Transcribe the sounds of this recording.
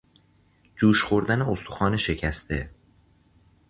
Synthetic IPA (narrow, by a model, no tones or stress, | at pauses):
d͡ʒuːʃxoɾd̪æne̞ost̪ʰu̥xɒːneʃe̞cʰæst̪ʰe̞̰